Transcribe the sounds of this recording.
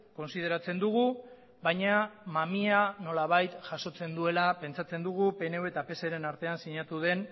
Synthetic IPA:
ko̞nsið̞e̞ɾat͡se̞nd̪uɣ̞u | βajɲamamiano̞laβ̞ajt̪ʝaso̞t͡se̞nd̪ue̞lape̞nt͡sat͡se̞nd̪uɣ̞upe̞ne̞we̞t̪ape̞se̞ɾe̞naɾt̪e̞ansiɲat̪uð̞e̞n

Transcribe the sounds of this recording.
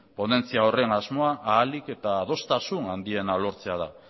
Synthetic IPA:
po̞ne̞nt͡siao̞re̞ŋazmo̞aʔaːlike̞t̪aːð̞o̞st̪asunand̪ie̞nalo̞ɾt͡se̞að̞a̰

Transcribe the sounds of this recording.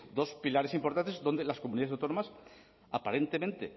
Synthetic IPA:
d̪o̞spilaɾesimpoɾt̪ant̪ezðond̪elaskomuniaðs̬awt̪onomas | apaɾẽnt̪emẽnt̪e

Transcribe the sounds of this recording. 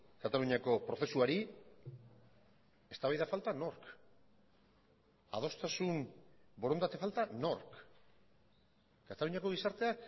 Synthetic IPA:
kat̪aluɲako̞pɾo̞θe̞suaɾi | e̞st̪aβajðafalt̪ano̞ɾk | a̰ð̞o̞st̪asunbo̞ɾo̞nd̪at̪e̞falt̪ano̞ɾk | kat̪aluɲako̞ɣ̞isaɾt̪e̞a

